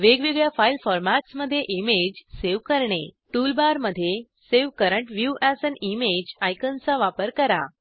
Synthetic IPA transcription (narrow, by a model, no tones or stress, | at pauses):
ʋeɡʋiɡɭjafailfɔɾmaʈsməd̪ʱːjeʔimed͡ʑseʋkəɾɳe | ʈulbaɾməd̪ʱːje | seʋkəɾəɳʈʋjuʔæsənimed͡ʑajkənt͡saʋapəɾkəɾa̰